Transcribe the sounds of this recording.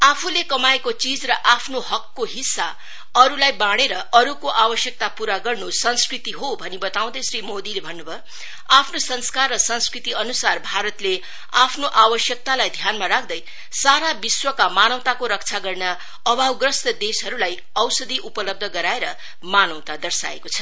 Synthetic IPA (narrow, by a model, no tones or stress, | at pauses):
apʰulekʌmaekot͡sid͡zrʌʔapʰnoɦʌkːoɦisːa | ʌɾulajbãɽeɾʌʌɾukoʔawʌsjʌk̚t̪apuɾaɡʌrnusʌnskrit̪iɦobʱʌnibʌt̪aw̃d̪ʌjsɾimod̪ilebʱʌnːubʱʌ | apʰnosʌnskarːʌsʌnskrit̪iʌnusarbʱaɾʌt̪le | apʰnoʔawʌsjʌk̚t̪alajd̪ʱjanmaɾak̚ʰd̪ʌj | saɾabiswʌkamanʌw̃t̪akoɾʌkt͡sʰaɡʌrna | ʌbʱawɡrʌst̪ʌd̪esɦʌɾulaj | ʌwsʌd̪ʱiʔupʌlʌb̚d̪ʱʌɡʌɾaeɾʌ | manʌw̃t̪ad̪ʌrsa̰ḛkot͡sʰʌ